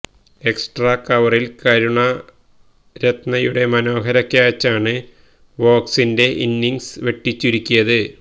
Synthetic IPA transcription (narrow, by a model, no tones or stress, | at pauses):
e̞ksʈrɐkɐʋɐrilkɐɾuɳɐ | ɾet̪nɐjuɽe̞mɐno̞ːɦɐɾɐkʲːaːt͡ɕːaːɳɨ | ʋo̞ːksinde̞ʔinːiŋsʋe̞ʈːit͡ɕːiɾukʲːujɐðɨ